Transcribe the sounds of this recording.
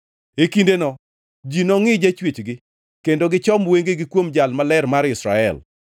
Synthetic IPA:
ekindenɔ | d͡ʒinɔŋɪd͡ʒat͡ʃwet͡ʃɡɪ | kendoɡɪt͡ʃɔmweŋɡeɡɪkwomd͡ʒalmalɛrmaɾɪsɾa̰ɛ̰l

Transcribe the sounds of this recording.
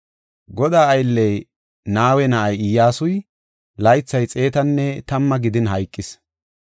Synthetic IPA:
ɡɔd̪aːɐjlːɛj | naːwɛnɐʔɐjɪjːaːsʊj | lɐjt͡sːɐjt͡sʼe̞ːt̪ɐnːɛt̪ɐmːɐɡɪd̪ɪnɦɐjkʼːɪs

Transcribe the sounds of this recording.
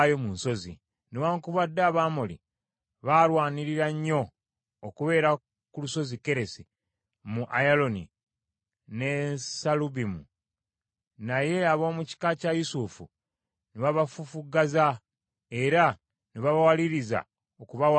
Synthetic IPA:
jo̞munso̞zḭ | newaːŋkuβadːaːβaːmolḭ | βalwaːniɾiɾaɲːo̞ː | kuβe̞ːɾa | kuluso̞zike̞ɾe̞si | muʔajalo̞nḭ | ne̞saluβimu | naje̞aβo̞ːmuci̥kacajusufṵ | neβaβafufuɡaza | e̞ɾa | neβaβawaliɾiza̰ | okuβaw

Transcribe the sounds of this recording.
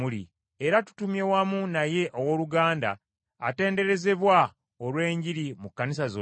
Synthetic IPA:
ulḭ | eɾatu̥tumje̞wamunaje̞ʔowo̞luɡaːnda̰ː | te̞ːnde̞ɾe̞ze̞βwa | olwe̞ːɲɟiɾimukːanis̬azo

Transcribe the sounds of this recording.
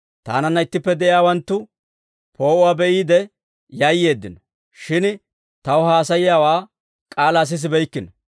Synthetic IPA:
t̪a̰ːnɐnːɐɪt̪ːɪpːɛd̪ɛʔjaːwɐnt̪ːʊ | pʰo̞ːʔʊwaːbɛʔiːd̪ɛ | jɐjːe̞ːd̪ːɪnɔ | ʃɪn | t̪ɐwʊhaːsɐjɪjaːwaː | kʼaːlaːs̬ɪs̬ɪbɛjkːɪnɔ

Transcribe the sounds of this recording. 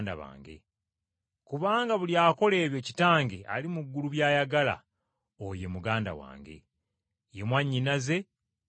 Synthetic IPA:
nda̰βa̰ːŋɡe̞̰ | kuβaːŋɡaβuljaːko̞le̞ːβjo̞ːci̥taːŋɡea̰limuɡːuluβjaːjaɡala̰ | oje̞muɡaːnda̰wa̰ːŋɡe̞̰ | jemwaɲːinaze̞

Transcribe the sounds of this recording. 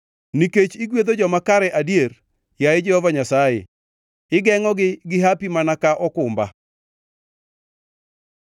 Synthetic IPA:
niket͡ʃiɡwed̪od͡ʒɔmakaɾɛʔadjeɾ | jaɪd͡ʒɛhɔvaɲasajḛ | ɪɡɛŋɔɡɪɡɪɦapimanakaʔɔkʊmba̰

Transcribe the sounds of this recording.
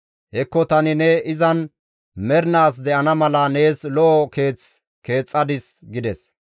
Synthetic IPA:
hɛkːɔt̪ɐnɪnɛɪzɐn | mɛɾnaːs̬d̪ɛʔɐnɐmɐlɐne̞ːslɔʔɔke̞ːt͡s | ke̞ːt͡sʼːɐd̪ɪsɡɪd̪ɛs

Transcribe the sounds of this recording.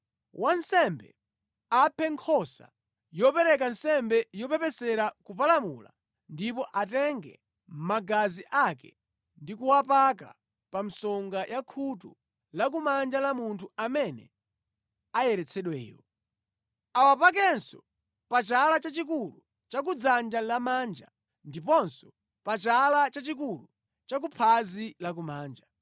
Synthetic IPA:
wansɛmbɛ̰ | apʰɛŋkʰɔsa̰ | jɔpɛɾɛk̬ansɛmbɛjɔpɛpɛsɛɾakup̬alamṵla̰ | ndipɔʔatɛŋɡɛ̰ | m̩maɡaziʔakɛ̰ | ndikuwapak̬a̰ | pam̩sɔŋɡajʔakʰutu | lak̬umand͡ʒalamuntʰuamɛnɛ̰ | ajɛɾɛt͡sʰɛɗwɛ̰ːjɔ̰ | awapak̬ɛnsɔ̰ | pat͡ʃalat͡ʃat͡ʃik̬ulu | t͡ʃak̬ud͡zand͡ʒalamaːnd͡ʒa̰ | ndipɔnsɔ̥ | pat͡ʃalat͡ʃat͡ʃik̬ulu | t͡ʃak̬upʰazilak̬umaːnd͡ʒa

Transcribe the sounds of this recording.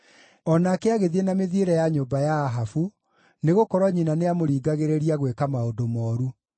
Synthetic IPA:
ɔnakeaɣeðienameðieɾɛjaɲoːmbajaːɦafu | neɣokɔɾwɔɲinaneamoɾiːɡaɣeɾeɾiaɣwekamaodomɔːɾu

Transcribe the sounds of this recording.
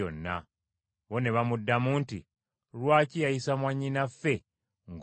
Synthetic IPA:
o̰nːa̰ | βo̞ne̞βamudːamuːnti | lwaːcijajisamwaɲːinafːe̞ | ŋɡ

